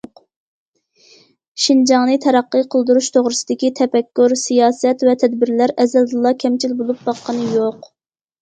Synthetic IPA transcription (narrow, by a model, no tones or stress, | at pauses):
ʃind͡ʒɑŋnɨt̪ʰɛɾɑqːəqʰəlˠd̪uɾuʃt̪ʰoʁɾɨsɨd̪ɪkʲit̪ʰɛpɛkʲːyɾsijɑːsɛt̪vɛt̪ʰɛd̪bɪɾlæɾɛzɛld̪ɨlˠːɑkʲʰɛmt͡ʃʰilbolˠup̚b̥ɑqːənɨjoq